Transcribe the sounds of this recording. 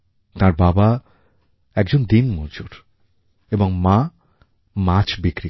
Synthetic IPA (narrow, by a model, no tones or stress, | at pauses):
t̪ãɾbaba | ɛk̚d͡ʑond̪inmɔd͡ʑoɾ | eboŋmã | mat͡ɕbikɾi